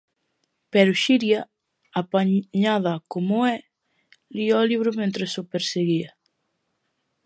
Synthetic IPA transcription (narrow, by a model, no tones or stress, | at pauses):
pɛɾʊʃiɾja | apaɲaðakomoɛ | liɔliβɾʊmẽnt̪ɾesopeɾseɣia